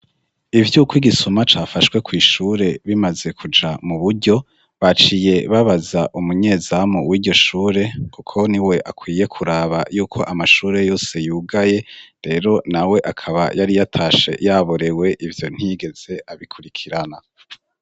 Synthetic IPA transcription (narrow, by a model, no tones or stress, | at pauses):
ivjukwiɡisumat͡ʃafaʃkwe̞kwiːʃuːɾe̞βimaze̞kʰud͡ʒamuβuɾɟo̞ | βat͡ʃije̞βaβazaʔumuɲe̞ːzamuwiːɟo̞ʃuːɾe̞kukʰo̞niwe̞ʔakwiːje̞kʰuɾaːβa̰juːkʰo̞ʔamaʃuːɾe̞jo̞ːse̞juːɡaje̞ɾe̞ːɾo̞nawe̞ʔakʰaβa̰jʔaɾijatʰaːʃe̞̰jaβoɾe̞we̞ʔivjo̞n̥hiɡe̞z̥e̞ʔaβikʰuɾikʰiɾana